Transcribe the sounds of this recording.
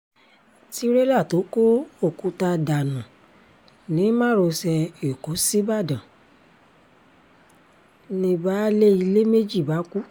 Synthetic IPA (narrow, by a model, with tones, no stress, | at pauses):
ti˦ɾe˦la˦˨to˨˦ko˦o˦˨ku˨˧˦ta˧da˨nũ˨ | nĩ˨˦mã˦˨ɾo˧sɛ˧e˨ko˨˦si˦ba˦˨dã˨ | nĩ˧ba˦le˦i˧le˦me˦d͡ʒi˦˨ba˨˦ku˦